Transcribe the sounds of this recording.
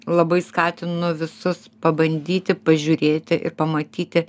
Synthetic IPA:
lˠɐbɐɪskɑːt̪ʲɪnʊʋʲɪsʊspɐbɐnʲd̪ʲiːt̪ʲɪpɐʒʲuːɾʲeːt̪ʲɪʔɪ̰rpɐmɐt̪ʲiːt̪ʲɪ

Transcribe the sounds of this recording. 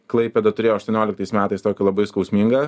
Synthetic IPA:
klˠɐɪpʲɛd̪ɐt̪ʊɾʲeːjoːʃt̪uɔnʲoːlʲɪk̚t̪ɐɪsmʲæːt̪ɐɪst̪oːkʲɪlˠɐbɐɪskɐʊsʲmʲiːŋɡɐ

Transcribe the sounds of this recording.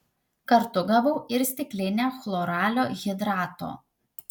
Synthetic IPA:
kɐɾt̪ʊɡɐʋɐʊɪɾsʲt̪ʲɪkʲlʲɪnʲexlˠɔːɾɑːlʲoːɣʲɪd̪ɾɑːt̪o̰ː

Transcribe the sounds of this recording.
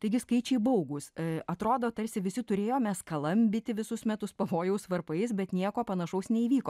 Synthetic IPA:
t̪ɐɪɡʲɪskɐɪt͡ʃʲɛɪbɐʊɡʊsɐt̪ɾoːd̪oːt̪ɐɾʲsʲɪʋʲɪsʲɪt̪ʊɾʲeːjoːmʲɛskɐlˠɐmʲbʲɪt̪ʲɪʋʲɪsʊsmʲɛt̪ʊspɐʋoːjɛʊsʋɐrpɐɪsbʲɛt̪nʲiɛkoːpɐnɐʃɐʊsnʲɛiʋʲiːkoː

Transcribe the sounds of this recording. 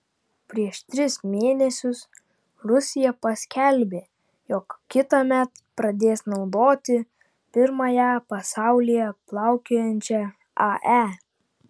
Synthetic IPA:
pʲɾʲiɛʃt̪ʲɾʲɪsmʲeːnʲɛsʲʊs | ɾʊsʲɪjɛpɐsʲkʲɛlʲbʲeː | jɔːkkʲɪt̪ɐmʲɛt̪pɾɐd̪ʲeːsnɒʊd̪oːt̪ʲɪ | pʲɪɾmɐjæpɐsɑˑʊlʲɪjɛplˠɑˑʊkʲoːjɛnʲt͡ʃʲɛ | ɐʔæ

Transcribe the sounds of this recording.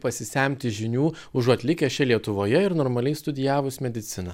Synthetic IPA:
pɐsʲɪsʲæˑmʲt̪ʲɪʒʲɪnʲuː | ʊʒɐt̪ʲlʲɪkʲɛʃʲɛlʲiɛt̪ʊʋoːjɛɪɾnoːɾmɐlʲɛɪst̪ʊd̪ʲɪjæːʋʊsmʲɛd̪ʲɪt̪sʲɪnɐ

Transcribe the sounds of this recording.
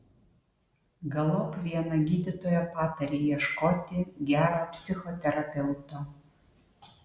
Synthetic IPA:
ɡɐlˠopvʲiɛnɐɡʲid̪ʲɪt̪ojɛpat̪ɐɾʲijiɛʃkot̪ʲɪɡʲæɾapʲsʲɪxɔt̪ʲɛɾɐpʲɛwt̪o

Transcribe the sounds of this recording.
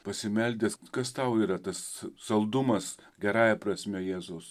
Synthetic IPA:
pɐsʲɪmʲɛlʲd̪ʲeskɐst̪ɐʊiːɾɐt̪ɐssɐlˠd̪ʊmɐsɡʲɛɾɑːjɛpɾɐsʲmʲɛjæːzʊʊs

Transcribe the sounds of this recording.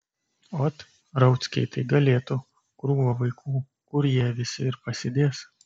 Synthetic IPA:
oːt̪ | ɾɐʊt̪sʲkʲɛ̰ɪt̪ɐɪɡɐlʲeːt̪ʊ | kɾuːʋɐʋɐɪkʰuː | kʊɾjiɛʋʲɪsʲɪɪɾpɐsʲɪd̪ʲeːs

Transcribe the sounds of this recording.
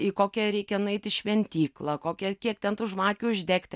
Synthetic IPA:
ɪkoːkʲɛɾʲɛɪkʲɛnʊɛɪt̪ʲɪʃʲʋʲɛnʲt̪ʲiːklˠɐkoːkʲɛkʲiɛk̚t̪ʲɛnt̪ʊʒmɑːkʲʊːʊʒʲd̪ʲeːkt̪ʲ

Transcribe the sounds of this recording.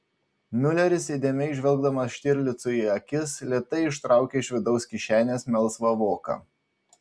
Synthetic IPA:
mʲʊlʲɛɾʲɪsʲeːd̪ʲeːmʲɛɪʒʲʋʲɛlˠɡd̪ɐmɐsʃʲt̪ʲɪɾʲlʲɪt̪sʊiɐkʲɪslʲeːt̪ɐɪɪʃt̪ɾɑˑʊkʲeːɪʃʋʲɪd̪ɒʊskʲɪʃʲæːnʲeːsmʲɛlˠˑsʋɐʋoːkɑ̰

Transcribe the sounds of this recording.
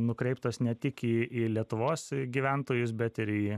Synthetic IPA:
nʊkɾʲɛɪpt̪oːsnʲɛt̪ʲɪkiːilʲiɛt̪ʊʋoːsɡʲiːʋʲænt̪oːjʊs̬bʲɛt̪ɪɾiː

